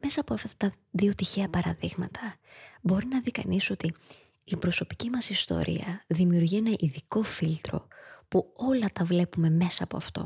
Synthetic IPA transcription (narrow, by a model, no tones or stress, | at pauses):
me̞sɐːpo̞ɐft̪ɐt̪ɐ | ðio̞t̪içe̞ɐpɐɾɐðiɣmɐt̪ʰɐbo̞ɾinɐðikɐ̰niso̞t̪iː | pɾo̞so̞pi̥cimɐsist̪o̞̰ɾʔḭɐðimiuɾʝienɐʔiðiko̞filt̪ɾo̞̰puo̞lɐt̪ɐvle̞pume̞me̞sɐːpo̞̰ɐft̪o̞̰